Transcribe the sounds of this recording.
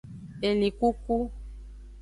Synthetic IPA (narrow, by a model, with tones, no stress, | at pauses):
e˨lĩ˨ku˦ku˦